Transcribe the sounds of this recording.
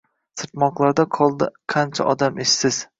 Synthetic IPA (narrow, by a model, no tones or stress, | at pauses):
sɨɾt̪mɒqlˠaɾd̪aqʰɒlˠd̪ɪqʰɑnt͡ʃʰa̰ʔɒd̪ameʃsɪz̥